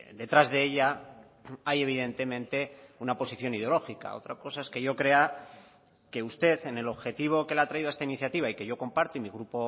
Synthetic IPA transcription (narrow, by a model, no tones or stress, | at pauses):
d̪e̞t̪ɾazðe̞eʎa | aje̞β̞iðe̞nt̪e̞mẽnt̪e̞unapo̞siθjo̞niðeo̞lo̞xika̰o̞̰t̪ɾako̞sae̞ske̞ʝo̞kɾe̞a | ke̞ust̪e̞θe̞ne̞lo̞βxe̞t̪iβ̞o̞ke̞lat̪ɾaiðoaest̪ainiθjat̪iβaike̞ʝo̞ko̞mpaɾt̪oimiɣ̞ɾupo̞